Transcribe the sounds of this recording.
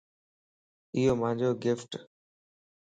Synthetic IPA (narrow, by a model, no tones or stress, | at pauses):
ijomãd͡ʒʱoɡɪfʈ